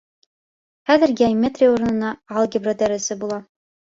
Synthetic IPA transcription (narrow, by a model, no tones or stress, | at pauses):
χæðɘɾɡʲamʲːet̪rʲɪjuɾɤ̆nɤ̆nɑɑlˠɡʲɪbrod̪æɾɘ̆sɘbulˠɑ